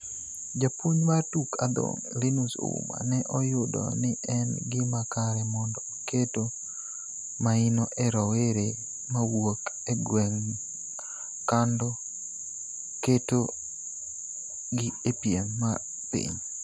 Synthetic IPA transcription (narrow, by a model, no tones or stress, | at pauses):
d͡ʒapoɲmartuka̰d̪o̰ŋlinuso̰ṵma̰nɛʔɔjʊdɔ̰nɪʔɛnɡɪmakaɾɛmɔndɔ | keto | mainoʔɛɾɔweɾe | mawok | ɛɡwɛŋ | kandɔ | keto | ɡɪepjenma | pḭɲ